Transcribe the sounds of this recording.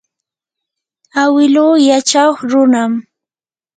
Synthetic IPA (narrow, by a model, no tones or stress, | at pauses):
awɪluːjat͡ʃaχɾʊnam